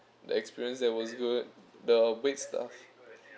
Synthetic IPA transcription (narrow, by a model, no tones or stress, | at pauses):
də̰ɛkspiɹiə̃nsdɛt̚wɔsɡud̚dəbɛtstʰa̰f